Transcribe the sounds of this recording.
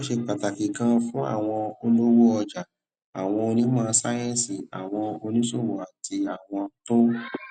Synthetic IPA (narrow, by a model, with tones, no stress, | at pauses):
o˦ʃe˧k͡pa˨ta˨ki˨kã˧fũ˦a̰˦˨w̃ɔ̃˧o˧lo˦wo˦ɔ˧d͡ʒa˨ | a˨w̃ɔ̃˧o˧nĩ˦mãː˦˧˦sa˦jɛ̃˦˨si˨a̰˨w̃ɔ̃˧o˧nĩ˦so˦˨wo˨a˨ti˧a˨w̃ɔ̃˧to˦